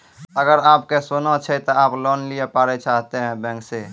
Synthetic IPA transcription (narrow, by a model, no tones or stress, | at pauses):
əɡəɾaːp̚kesoːnat͡ʃʰɛt̪oaːplɔːnlijepaːɾet͡ʃaːɦt̪eɦɛ̃bɛ̃ːŋkse